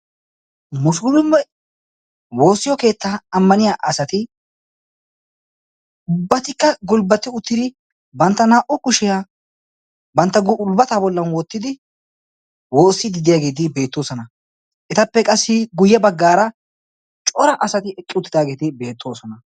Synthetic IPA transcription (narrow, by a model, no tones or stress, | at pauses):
mʊsɡʊlʊmːɛ | wo̞ːsːɪjɔke̞ːt̪ːaɐmːɐnɪjaʔɐsɐt̪ɪ | ʊbːɐt̪ɪkːɐɡʊlbɐt̪ːɪʊt̪ːɪd̪ɪ | bɐnt̪ːɐnaːʔʊkʊʃɪja | bɐnt̪ːɐɡʊlbɐt̪aːbɔlːɐnwɔt̪ːɪd̪ɪ | woːsːɪd̪ɪd̪ɪjaːɡe̞ːd̪ɪbe̞ːt̪ːoːsɔnɐ | ʔɛt̪ɐpːɛkʼɐsːɪɡʊjːɛbɐɡːaːɾɐ | t͡ʃʼɔɾɐʔɐsɐt̪ɪɛkʼːɪʊt̪ːɪd̪aːɡe̞ːt̪ɪbeːt̪ːo̞ːsɔnɐ